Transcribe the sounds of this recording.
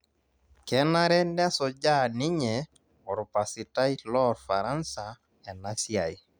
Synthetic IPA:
kɛ˦na˦ɾɛ˦nɛ˦sɔ˨d͡ʒa˦nɪ˦ɲɛ˨ | ɔ˨ɾpa˨sɪ˨ta˦i˦lɔ˦ɾfa˨ɾa˦nsa˨ | ɛ˨na˦sja˨j

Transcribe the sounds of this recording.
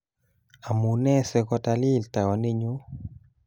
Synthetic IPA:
a˨mu˨nɛ˦sɛ˨kɔ˦ta˨li˦˨lta˨ɔ˨ni˦ɲu˦

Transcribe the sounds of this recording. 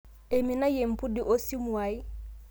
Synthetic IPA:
e˨mi˨na˦je˨m̩˨pu˦di˨ʔo˦si˦mu˨a˨i˦

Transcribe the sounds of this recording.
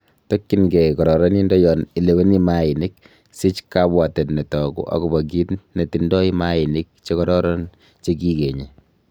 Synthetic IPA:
to˦kːinɡekɔ˨ɾɔ˨ɾɔ˦ni˦ndɔ˦jɔ˨nɪ˨le˨we˦ni˦maɪ˨nɪ˦k̚ | sɪ˦t͡ʃkabwa˨tɛ˨tnɛ˨tɔ˨kṵ˦ʔa̰˨ku˨ba˨k̬i˦tne˨tindɔ˦i˦ma˦ɪnɪ˦k̚t͡ʃe˦kɔ˦ɾɔɾɔ˦n | t͡ʃe˦ki˦ke˨ɲe

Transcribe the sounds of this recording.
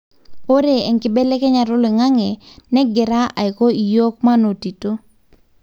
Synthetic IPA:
o˦ɾe˨ɛ˨ŋkɪ˨bɛ˦lɛ˦kɛ˦ɲa˨ɾʊ˦lɛ˨ŋa˦ŋɛ˨nɛ˦ɡɪ˨ɾa˦a̰˨ɪ˨ko˦i˨jo˦k̚ma˦no˨ti˨to˦

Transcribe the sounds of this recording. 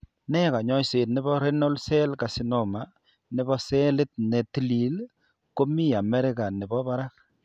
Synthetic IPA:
nɛ˦ka˨ɲɔ˦jse˨tnɪ˦bɔ˦ɾe˦no˦lsɛ˦lka˨si˦no˨ma˨ | nɪ˨bɔ˦sɛ˦lɪ˦t̚ne˨ti˦li˨l | ko˦mi˦a˨mɛ˦ɾɪ˦ka˨nɪ˨bɔ˦ba˦ɾa˦k̚

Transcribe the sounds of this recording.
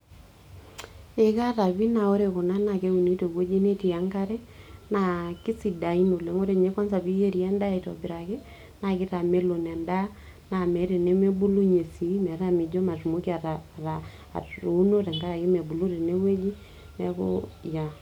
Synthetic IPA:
e˨ka˦ɾa˨βi˦na˨o˦ɾe˨ko˨na˦na˨ke˦u˨ni˦te˨we˦d͡ʒi˦ne˦ti˨a˨ŋka˦ɾɛ˦na˨kɪ˦si˨da˨i˦no˨le˨ŋo˦ɾe˦˨ɲe˦kɔ˦nsa˨βi˦je˦ɾi˨ɛ˦nda˦˨i˨tɔ̰˨bɪ˨ɾa˨kɪ˦ | na˨kɪ˦ta˨me˦lo˨nɛ˨nda˦ | na˨mɛ˨˦ɾe˨ne˦me˦bu˦lu˦ɲe˨si˨˦mɛ˨ɾa˦mi˨d͡ʒo˦ma˨tu˨mo˦ki˦a˨ɾa˨ɾa̰˨ | o˨˦no˦tɛ˨ŋɡa˦ɾa˨kɪ˦mɛ˨bu˨lo˦ɾe˨ne˦we˦d͡ʒi˦ | nɛ̰˨ko̰˦ja˨

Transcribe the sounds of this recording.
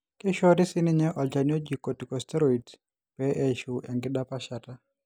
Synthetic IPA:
kɪ˦ʃɔ˦dɪ˦sɪ˦nɪ˦ɲɛ˦ʔɔ˨ld͡ʒa˨ni˦o˦d͡ʒi˨ko˨ti˨kɔ˨stɛ˦ɾo˦i˨t | pɛ˦ʔe˦ʃu˨ʔɛ˨ŋɡɪ˦da˦pa˦ʃa˨ta˦

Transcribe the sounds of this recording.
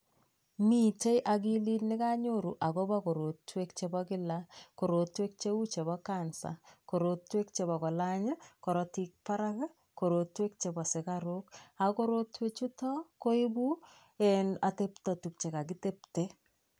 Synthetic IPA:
mi˦t͡ʃe˦jʔa˨k̬i˦li˦tnɪ˦ka˦ɲoɾṵ˨ʔa˨kɔ˦ba˦ko˨ɾo˨twe˦kt͡ʃe˨bɔkɪ˦lako˨ɾo˨twe˦k̚t͡ʃe˦u˦t͡ʃe˨βɔkansa̰˨ko˨ɾotwe˦k̚t͡ʃe˨bɔ˨kɔ˨la˦ɲə˦kɔ˨ɾɔ˨ti˦k̚pa˦ɾa˦kɛ˦ | ko˨ɾo˨twe˦k̚t͡ʃe˨bɔ˨sɪ˨kaɾʊka˨ko˦ɾo˦twe˦t͡ʃu˦tɔ˦ko˦i˦bu˦ | ɛ˨na˨te˦pta˨tu˨k̚t͡ʃe˨ka˨ki˦te˦pte˦

